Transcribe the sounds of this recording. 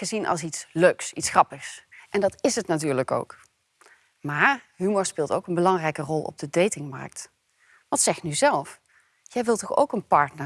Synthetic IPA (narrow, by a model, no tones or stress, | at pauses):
χəzinʔɑ̰lˠsitsløɥksitsχrɑpəxsʔɛndɑtɪsətnatyːɹləko̰wk | maːɹɦymɔɹspɪːlˠto̰wkənbəlɑŋrɛjkərɔlˠʔɔ̰b̚dədejtɪŋmɑ̰ɹk̚t | ʋɑtsɛχnyzɛlˠf | jɛjʋɪlˠtɔχo̰wkənpɑɹtnə